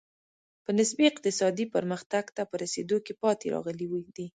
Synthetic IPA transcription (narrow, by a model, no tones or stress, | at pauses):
pənɪsbiɪq̚t̪ɪsɑd̪ipəɾməxt̪aɡt̪apəɾasḛd̪okepɑt̪ḛɾɑ̰ɣəliwid̪i